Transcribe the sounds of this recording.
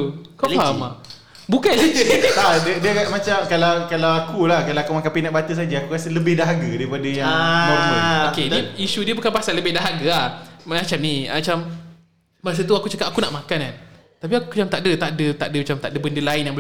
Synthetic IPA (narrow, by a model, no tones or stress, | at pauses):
kaaɦama | bukanlikadədiəamat͡ʃamkalawkalawakulahkalaakumakanpinaʔbat̪əs̬ad͡ʒəakuɾasələbɪhdaɦaɡadaɾipadəjaŋaaɾməokediisudiəbukanpasaləbɪhdaɦaɡaahmat͡ʃamnimat͡ʃam | mas̬ət̪uakut͡ʃakat̪ʔakunaʔmakanan | t̪ap̬iakumat͡ʃamt̪aʔdət̪aʔdət̪a̰ʔdəmat͡ʃamt̪aʔdəbəndəlaɪnjaŋbə